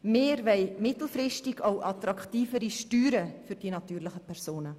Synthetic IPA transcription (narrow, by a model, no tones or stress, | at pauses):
meːɾvɛɪmɪtl̩frɪʃtɪɡaʊʔɑtɾɑktiːfəɾiʃtyːɾəfyɾd̥iːnɑtyːrlɪχəpʰɛrsoːnə